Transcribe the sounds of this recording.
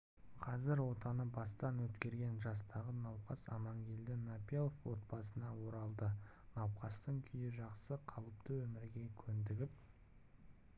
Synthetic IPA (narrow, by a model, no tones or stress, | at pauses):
qʰɑzɪɾwo̞t̪ɑnəbɑst̪ɑnwɵt̪kʲe̞ɾɡʲe̞nʒɑst̪ɑʁənɑwqɑsɑ̰mɑɴɡʲe̞ld̪ɪnapʲelˠofwo̞t̪̚pɑsənɑwo̞ɾɑlˠd̪ə | nɑwqɑst̪əŋkʲʰʏjɪʒɑqsəqʰɑlˠəpt̪əwɵmɪɾɡʲe̞kʲʰɵnd̪ɪɡʲɪp̚